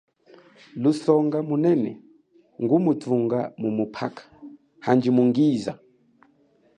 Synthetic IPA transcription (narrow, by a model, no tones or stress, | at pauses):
lusɔŋɡamunɛnɛ̰ | ŋɡumutʰuŋɡamumupʰa̰kʰḁ | hand͡ʒimuŋɡiːza